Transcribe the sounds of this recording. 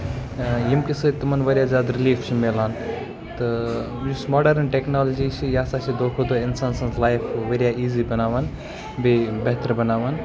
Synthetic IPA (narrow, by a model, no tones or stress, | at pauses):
jimkisɨt̪umɐnʋɐɾʲjaːzjaːd̪ɾiliːfʰt͡ʃʰimelaːn | t̪ɨ | jusmoːɖɐɾnʈeknaːlɐd͡ʒiːt͡ʃʰijaːsaːt͡ʃʰid̪oːkʰud̪oːinsaːnsɐnzlaːjfʋeɾjaiːziːbɐnaːʋaːn | bibɐɦt̪əɾbɐnaːʋaːn